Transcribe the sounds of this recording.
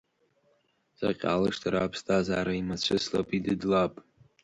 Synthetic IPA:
sa̰qʲʼa̰lɨʂtʰaɾaːpʰstʰʼazaːɾaimat͡ɕʷʰɨsla̰pʼidɨdlapʼ

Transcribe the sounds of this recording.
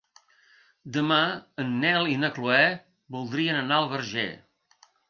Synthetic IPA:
d̪əmaənːɛlˠinəkluɛ | bulˠd̪ɾiənənaəlˠβəɾʒɛ̰

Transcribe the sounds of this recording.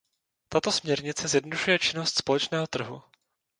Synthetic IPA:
t̪at̪o̞smɲɛɾɲɪt͡sɛzjɛdnoduʃujɛt͡ʃɪno̞st̪spo̞lɛt͡ʃnɛːɦo̞t̪r̩ɦṵ

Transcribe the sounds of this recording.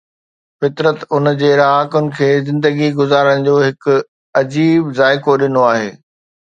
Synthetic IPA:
fɪt̪ɾət̪ʊnd͡ʑeːɾaːkʊnɪ̆kʰeːzɪ̃nd̪əɡiɡʊzaːɾəɽ̃̆d͡ʑoːɦɪkʊ̆ | ɐd͡ʑiːbzaːɪkoɗɪnoaːɦeː

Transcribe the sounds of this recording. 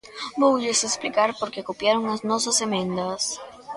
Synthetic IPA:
buwʎesesplikaɾpo̞ɾkekopjaɾo̞ŋlaznosasemẽnd̪as

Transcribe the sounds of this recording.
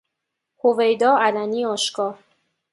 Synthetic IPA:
hovejd̪ɒːælæniːɒːʃkɒː

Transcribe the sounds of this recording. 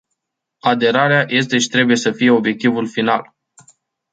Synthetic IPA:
ad̪e̞ɾaɾeajʔe̞s̬t̪e̞ʃi̥t̪ɾe̞buje̞səfije̞o̞bje̞k̚t̪ivulfinal

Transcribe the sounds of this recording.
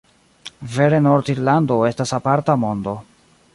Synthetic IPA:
ve̞ɾe̞no̞ɾtiɾlando̞e̞stasapaɾtamo̞ndo̞

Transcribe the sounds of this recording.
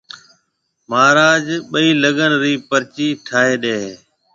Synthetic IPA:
maːɾaːd͡ʒɓəiːləɠənɾiːpəɾt͡ʃiːʈʰaːɦeːɗeːeː

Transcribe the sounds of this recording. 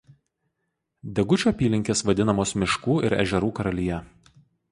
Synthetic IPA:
d̪ʲɛɡʊt͡ʃʲoːɐpʲiːlʲɪŋʲkʲeːsʋɐd̪ʲɪnɐmoːsmʲɪʃkuːʔɪ̰ɾɛ̰ʒʲɛɾuːkɐɾɐlʲijɛ

